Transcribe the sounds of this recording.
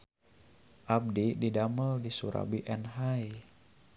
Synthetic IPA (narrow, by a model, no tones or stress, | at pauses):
ʔab̚dididaməldisuɾa̰biʔɛnɦaj